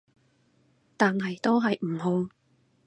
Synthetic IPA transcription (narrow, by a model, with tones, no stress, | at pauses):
t̪aː˨nɦɐ˨jt̪o˥wɦɐ˨jm̩˨˩ɦo˧w